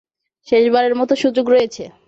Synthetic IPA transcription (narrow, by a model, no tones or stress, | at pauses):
ʃeʃbaɾeɾmɔt̪oʃud͡ʑokɾojet͡ɕʰe